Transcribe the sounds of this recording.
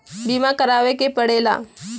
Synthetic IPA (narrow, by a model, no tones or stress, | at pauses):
bimakəɾaʋekepəɽela̰